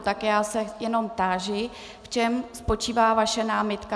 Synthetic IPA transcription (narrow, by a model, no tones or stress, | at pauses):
t̪akjaːsɛjɛno̞mt̪aːʒɪ | ft͡ʃɛmspo̞t͡ʃiːvaːvaʃɛnaːmɪt̪ka